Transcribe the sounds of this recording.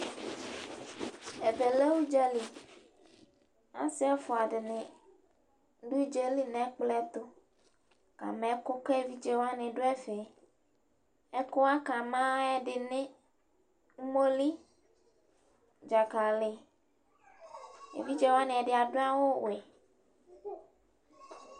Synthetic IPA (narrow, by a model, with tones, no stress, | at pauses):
e˨be˨le˦wu˦d͡ʒɛ˦li˨ | ã̰˦si˦a˦fo˨a˨ɖɪ˨nẽ˨ | ɖu˦d͡ʒe˦li˦nẽ˨˦k͡plɛ˦t̪o˦ | ka̰˨mẽ˨˦ko˦kɛ˦vi˦d͡ʒe˦wa˦nẽ˨ɖo˦ɛ˦fe˨ | ɛ˦ko˦a˦ka˨mã˦ɛ˦ɖɪ˨nẽ˦ | ŋ̩˦mo˦li˦ | d͡ʒa˨ka˨le˨ | ḛ˨vi˦d͡ʒe˦wa˦nẽ˨ɛ˨ɖɪ˨a˨ɖo˦a˦wo˦wɛ˨